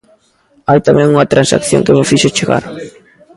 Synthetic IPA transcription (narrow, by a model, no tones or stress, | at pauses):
ajt̪amɛ̃ŋuŋɐt̪ɾansa̰kθjo̰ŋkemɪfiʃʊt͡ʃeɣa̰ɾ